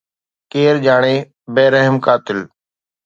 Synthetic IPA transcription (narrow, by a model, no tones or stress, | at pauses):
keːɾd͡ʒaːɳ̃eː | beːɾəɦɪmkaːt̪ɪl